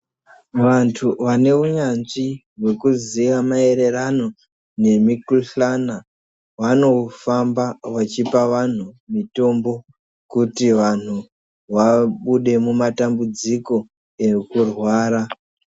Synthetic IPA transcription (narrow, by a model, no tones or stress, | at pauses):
ʋantʰuʋane̞uɲanʐi | ɦwe̞kuziʋamae̞ɾe̞rano̞ | ne̞mikuɬana | wano̞ufambawat͡ʃipaʋan̤umito̞mbo̞ | kutiʋan̤u | ʋaɓuɗe̞mumatambud͡ziko̞ | e̞kurwaːɾa